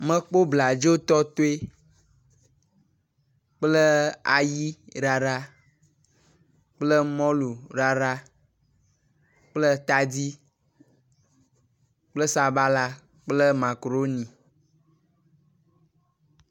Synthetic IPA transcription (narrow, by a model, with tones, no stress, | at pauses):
mə̃˦k͡po˦bla˨d͡ʒo˦t̪ɔ˦t̪o˦e˦ | k͡plə˦a̰˨ji˦ɾa˨ɾa˦ | k͡plə˦mɔ̃˦lu˨ɾa˨ɾa˦ | k͡plə˦t̪a˦di˦ | k͡plə˦sa˨ba˦la˦ | k͡plə˦ma˨kɾo˦nĩ˨